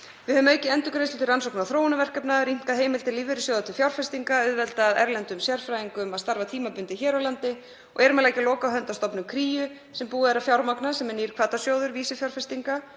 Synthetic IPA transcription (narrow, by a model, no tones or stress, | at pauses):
vɪðhœvʏmejcɪɛnt̪ʏkɾest̪ɪt̪ɪransowknaθɾoːwnʏvɛr̥kɛpnaɾim̥kaðɦeːjmɪlt̪ɪliːvɪɾɪsjɔwðat̪ʰɪ̥fjawɾ̥fɛst̪iŋkaʏðvɛlt̪aːðɛɾlɛnt̪ʏmsjɛɾ̥fɾajðiŋkʏmaðst̪aɾvat̪ʰiːmapʏnt̪ɪçɛːɾawlant̪ɪ | ɔ̰ɣɛɾʏmɛlaːjcɪlɔːkaɦœnt̪ast̪ɔpnʏmkʰɾiːjʏ | sɛmpuːaɛɾafjawɾmaknasɛmɛniːɾ̥kʰvaːt̪asjowðʏɾviːsɪfjawɾfɛst̪iŋka